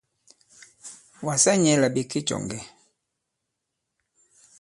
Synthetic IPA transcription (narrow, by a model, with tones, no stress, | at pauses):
wa˨sa˦ɲɛ˨˦la˨bi˨ki˦t͡ʃɔ̰˨ŋɡɛ˨